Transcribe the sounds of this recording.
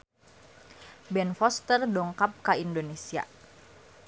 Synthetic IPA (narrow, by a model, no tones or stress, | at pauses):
bɛnfɔst̪ərdɔŋkap̚kaindonesia̰